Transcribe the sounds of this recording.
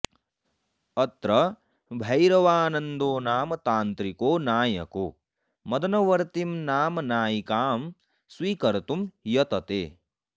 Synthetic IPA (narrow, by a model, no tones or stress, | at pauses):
ɐt̪ɾɐ | bʱɐjɾɐʋaːnɐnd̪oːnaːmɐt̪aːnt̪ɾikoːnaːjɐ̰ko̰ː | mɐd̪ɐnɐʋɐɾt̪imnaːmɐnaːjikaːm | sʋiːkɐɾt̪umjɐt̪ɐt̪ḛː